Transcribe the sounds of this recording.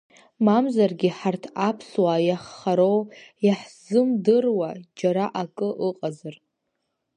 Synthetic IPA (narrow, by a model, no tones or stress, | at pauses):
mamzarɡʲiħartʰapʰswajaχːaɾowjaħz̥ɨmdɨrwad͡ʒaɾaʔakʼɨʔɨqʼazɨr